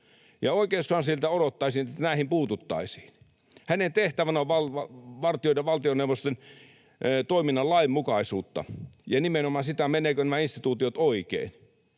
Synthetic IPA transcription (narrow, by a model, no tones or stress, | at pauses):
jɑoˑikeːsːoɑnsilt̪æodot̪ːɑˑisiːnet̪ːænæˑihimpuːt̪ut̪ːɑ̰isi̥ːn | hænent̪eht̪æʋænæoʋɑlɑʋɑrt̪ioˑdɑʋɑlt̪ionewʋːˑost̪en | t̪oiminːɑlɑimmukɑisuːt̪ːɑ̰jɑnimenomɑːsit̪æmeneːkønæmæinst̪it̪uːt̪iot̪oikḛˑin